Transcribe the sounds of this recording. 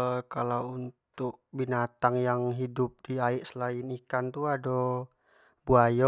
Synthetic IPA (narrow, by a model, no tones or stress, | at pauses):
kalauunt̪ʊk̚binat̪aŋjaŋɦidʊp̚diaiʔsəlainikant̪uado | buajɔ